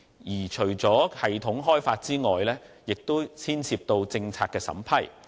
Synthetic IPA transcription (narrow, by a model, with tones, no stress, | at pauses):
jiː˨˩t͡ʃʰɵ˨˩ɥt͡sɔː˨˥hɐ˨jt̪ʰʊ˨˥ŋɦɔː˥jfaː˧t̚t͡siː˥ŋɔː˨jlɛː˥ | jɪ˨k̚t̪o˥wt͡sʰiː˥nt͡sʰiː˧p̚t̪o˧wt͡sɪ˧ŋt͡sʰaː˧kɛː˧sɐ̰˨˥mpʰɐ˨˩j